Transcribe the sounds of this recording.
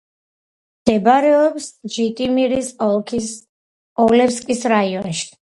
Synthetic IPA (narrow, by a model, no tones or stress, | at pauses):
d̪̥ɛbaɾɛɔpsd͡ʒit̪ʼimiɾisɔkʰ | ɔlɛpskʼisɾaiɔnʃi̥